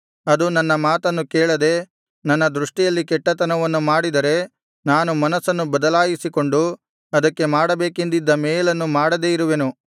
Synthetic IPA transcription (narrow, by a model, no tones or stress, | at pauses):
ɐd̪unɐnːɐmaːt̪ɐnːukeːɭɐd̪e̞ | nɐnːɐd̪ɾuʂʈijɐlːikɛʈːɐt̪ɐnɐʋɐnːumaːɽid̪ɐɾe̞ | naːnumɐnɐsɐnːubɐd̪ɐlaːjisiko̞ɳɖu | ɐd̪ɐkːe̞maːɽɐbeːkend̪id̪ːɐmeːjɐlɐnːumaːɽɐd̪eːiɾuʋe̞nu